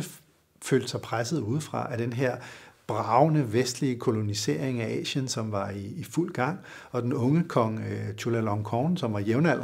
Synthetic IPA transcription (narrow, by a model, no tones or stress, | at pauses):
e | fø̰ld̥sɑ̈ɪpʰʁasð̩ˠuð̞ˠfʁɑ̈ʔæd̥enɦeɐ̰b̥ʁɑ̈ʊnəʋesd̥liəkʰo̝lo̝nise̝̰ɐ̰e̝ŋæʔɛ̰ːɕənsɒ̽mʋɑ̈iːful̰ɡ̥ɑ̈ŋ̰ | ɒ̽d̥enɔ̽ŋəkʰɒ̽ŋt͡ɕʰulælɒŋkʰɒːnsɒ̽mʋɑ̈jeʊnæl̰